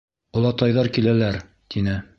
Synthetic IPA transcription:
ŏlˠɑt̪ɑjðɑɾkilælæɾ | t̪ʰinɘ

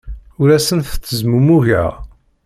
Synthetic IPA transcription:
ʊɾæsənfθəzmumuʝə̰ʁ

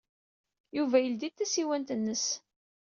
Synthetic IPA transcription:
juvæjəld̪it̪ːæsiwænt̪ənːəs

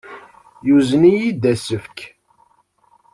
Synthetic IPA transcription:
juzənijid̪æsəfk

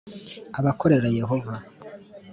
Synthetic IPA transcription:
aβako̞ɾe̞ɾaje̞ɦo̞va

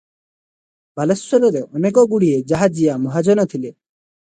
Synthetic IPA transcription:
balesɔɾɔɾeʔɔnekɔɡuɽied͡ʒaɦad͡ʒijamɔɦad͡ʒɔnɔt̪ʰile

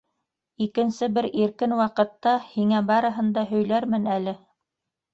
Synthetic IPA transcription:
ikɘ̆nsɘbɘɾiɾkɘnwɑqɤ̆t̪ːɑhiŋæbɑɾɤ̆ɦɤ̆nd̪ɑɦɵ̆jlæɾmɘnælɘ

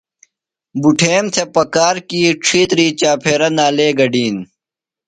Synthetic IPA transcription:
buʈʰeːmt̪ʰepɐkaːɾkiːʈ͡ʂʰiːt̪ɾiːt͡ɕaːpʰeːɾɐnaːleːɡɐɖiːn

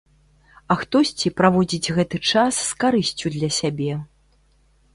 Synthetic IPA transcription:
ɐxt̪ɔsʲt͡sʲipɾavɔd͡zʲid͡zʲɣɛt̪ɨt͡ʂasːkaɾɨsʲt͡sʲud̪lʲɐsʲabʲɛ

